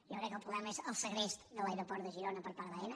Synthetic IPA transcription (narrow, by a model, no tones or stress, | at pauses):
jowkɾɛkːəlˠpɾuβlɛmɐezəlˠsəɣɾezðəlˠajɾopɔɾt̪ðəʒiɾonəpəɾpaɾðaɛnə